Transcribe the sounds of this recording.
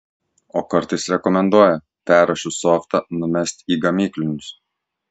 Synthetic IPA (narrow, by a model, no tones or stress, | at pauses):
oːkɐɾt̪ɐɪsɾʲɛkɔmʲɛnd̪uɔjɛ | pʲæːɾɐʃʲʊsoːft̪ɐnʊmʲɛsʲt̪ʲiːɡɐmʲiːklʲɪnʲʊs